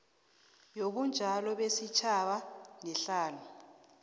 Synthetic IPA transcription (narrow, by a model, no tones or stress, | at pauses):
jokund͡ʒʱalɔɓesit͡ʃʰaɓanɛɬaːnu